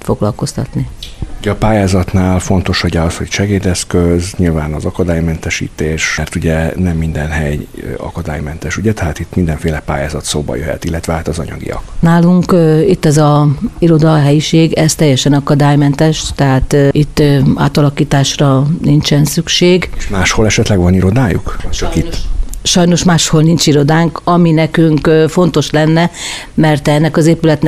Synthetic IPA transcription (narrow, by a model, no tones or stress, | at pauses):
t̪fo̞ɡlɒlko̞st̪ɒ̰t̪niuɟɛɒpaːjaːzɒt̪naːlfo̞n̪t̪o̞ʃɒɟɛɒshocʃɛɡeːd̪ɛskøzɲilvaːnɒzɒkɒd̪aːjmɛnt̪ɛʃḭːt̪eːʃɛrt̪uɟɛnɛmːind̪ɛnɦɛjɒ̰kɒd̪a̰ːjmɛnt̪ɛʃuɟɛt̪ɛɦaːt̪it̪ːmind̪ɛɱfeːlɛpa̰ːja̰ːzɒt̪soːbɒ̰jøɦɛ̰t̪ilːɛt̪ʋɛaːt̪ɒzɒɲɒ̰ɡḭjɒ̰knaːluŋkit̪ːɛzɒiɾo̞d̪ɒɦɛjiʃeːɡɛz̥t̪ɛjːɛʃɛnɒkɒd̪aːjmɛnt̪ɛʃt̪ɛɦaːt̪it̪ːa̰ːt̪ɒlɒkiːt̪aːʃrɒnint͡ʃɛnsykʃeːɡeʃmaːʃho̞lɛʃɛt̪lɛɡʋɒniɾo̞d̪aːjṵkt͡ʃɒkit̪ːʃɒjno̞ʃmaːʃho̞lnint͡ʃiɾo̞d̪aːŋkɒminɛkyŋkfo̞nt̪o̞ʃlɛnːɛ | mɛrt̪ɛnːɛkɒzeːpylɛt̪n